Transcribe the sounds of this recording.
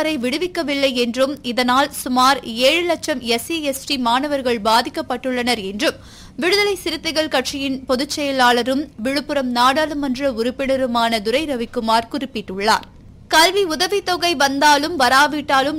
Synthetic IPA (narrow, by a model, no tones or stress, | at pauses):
ɐɾɐɪʋɪɽɯʋɪkːɐʋɪlːɐɪɛndrɯmɪðɐnaːlsʊmaːɾeːɻɯlɐt͡ʃɐmɛsiɛsʈimaːnɐʋɐɾɣɐɭbaːðɪkːɐpːɐʈːɯɭːɐnɐɾɛndrɯm | ʋɪɽɯðɐlɐɪsɪɾɯt̪ːɐɣɐɭkɐʈʂijɪnpɔðɯt͡ʃːɛjɐlaːɭɐɾɯmʋɪɻɯpːɯɾɐmnaːɽaːlɯmɐndrɐʊɾʊpːɪɳɐɾɯmaːnɐd̪ʊɾɐɪɾɐʋɪkːɯmaːɾkʊɾɪpːɪʈːɯɭːa̰ːɾ | kɐlʋiʊðɐʋɪt̪ːɔɣɐɪʋɐnd̪aːlɯmʋɐɾaːʋiːʈːaːlɯm